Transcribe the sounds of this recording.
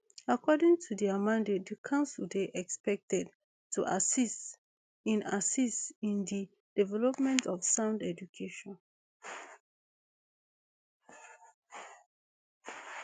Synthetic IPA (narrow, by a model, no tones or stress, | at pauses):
akʰɔdĩŋtʰudiamãndetdikʰãʊnsɔdiʔɛkspɛk̚tɛd | tʰuʔasist | ĩnasistĩndi | d̥ivɛlɔpmɛ̃ntɔfsãʊ̃ndɛd͡ʒukʰeʃɔ̃n